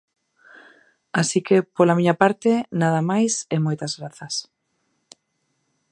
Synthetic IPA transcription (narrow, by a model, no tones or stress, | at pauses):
asikepolamiɲapaɾt̪enaðamajsɛmojt̪azɣɾaθɐs